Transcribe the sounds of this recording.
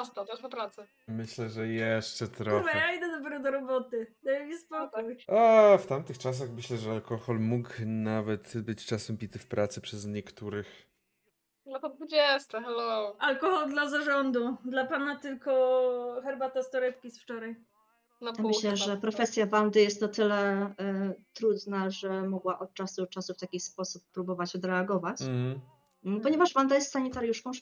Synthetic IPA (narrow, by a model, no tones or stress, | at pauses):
ɔst̪ɔwt̪ɔspɔpɾat̪sɛ | mɘɕlɛʐɛjɛʂt͡ʂɛt̪ɾɔvɛjaid̪ɛd̪ɔbɛɾud̪ɔɾɔbɔt̪ɘd̪ɛjɛmʲispɔkujaft̪amt̪ɘxt͡ʂas̬axmɘɕlɛʐɛalkɔxɔlmuknavɛt̪bɘt͡ɕt͡ʂasɛmpʲit̪ɘfpɾat̪sɛpʂɛzɲɛkt̪uɾɘx | nɔt̪ɔd̪vud͡ʑɛst̪ɛxalɔwʔalkɔxɔld̪lazaʐɔnd̪ud̪lapanat̪ɘlkɔxɛɾbat̪ɔst̪ɔɾɛpkʲisft͡ʂɔɾaj | jamɘɕlɛʐɛpɾɔfɛsʲjavand̪ɘjɛst̪nɔt̪ɘlɛ | t̪ɾud̪naʐɛmɔɡwaʔɔt̪̚t͡ʂasut͡ʂasuft̪akʲispɔsupːɾubɔvat͡ɕɔd̪ɾɛaɡɔvat͡ɕ | pɔɲɛvaʐvand̪ajɛst̪saɲit̪aɾjuʂkɔ̃w̃